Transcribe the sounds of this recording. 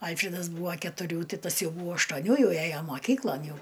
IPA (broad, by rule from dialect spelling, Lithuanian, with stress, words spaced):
ˈɐlʲfʲrʲɪdɐs ˈbuːʋɐ kʲɛtʊˈrʲuː ˈtʲɪ ˈtɐs ˈjɛʊ ˈbuːʋɐ ɐʃtuɔˈnʲuː ˈjɛʊ ˈæjoː moːˈkʲiːklˠoːn ˈjɛʊ